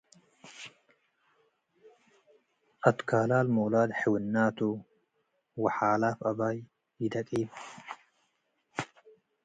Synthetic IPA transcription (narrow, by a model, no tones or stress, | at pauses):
ʔɐt̪kaːlaːlmoːlaːd̪ħɛwɪnːaːt̪uː | wɐħaːlaːfɐbaːj | jɪd̪ɐkʼiːb